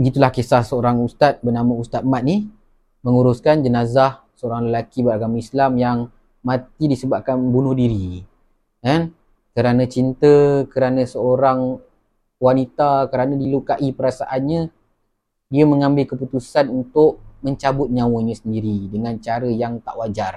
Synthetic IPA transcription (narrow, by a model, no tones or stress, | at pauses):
bəɡit̪ulahkesahsəoɾaŋust̪at̪̚bərnamaust̪at̪̚mat̪̚nih | məŋuɾʊskand͡ʒənazah | səoɾaŋləlakibəɾaɡamaislamjaŋ | mãt̪idisəbap̚kanbunʊhdiɾi | kan | kəɾanãt͡ʃint̪əkəɾanãsəoɾaŋ | wanit̪akəɾanãdilukaʔipəɾasa̰ʔanɲə̃ | diəməŋãmbɪlkəput̪usanunt̪ʊʔməɲt͡ʃabʊt̪̚ɲãwəɲãsəndiɾidəŋant͡ʃaɾəjaŋt̪a̰ʔwad͡ʒar